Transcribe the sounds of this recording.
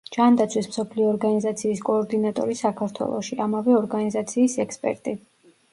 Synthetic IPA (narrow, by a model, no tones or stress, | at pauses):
d͡ʒand̪at̪sʰwismsɔpʰliɔːɾɡanizat̪sʰiːskʼɔːɾd̪inat̪ʼɔ̰ɾisakʰaɾt̪ʰwɛ̰lˠɔ̰ʃiamavɛɔɾɡanizat̪sʰiːsɛkspʼɛ̰ɾt̪ʼi